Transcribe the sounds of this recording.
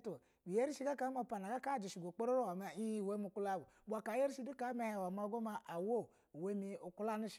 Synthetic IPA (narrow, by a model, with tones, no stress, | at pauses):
tu˨ | bi˨je˦ɾi˦ʃi˦ɡa˦ka˨˦m˦o˦˧˨pa˨na˨ɡa˦ka˦˨d͡ʒi˨ʃi˨ɡo˨k͡po˦ɾo˦ɾo˦wa˨ma˨i˦i˦˨we˦mi˧˨ku˦la˦˨ɡu˨bʷa˨ka˨˦je˦ɾi˦ʃi˦du˦a˨˦me˦˨he˨wa˨m˦a˨˧˦ɡo˦ma˧ʔa˨wo˦˨we˦mi˧u˨ku˦la˦nu˦ʃ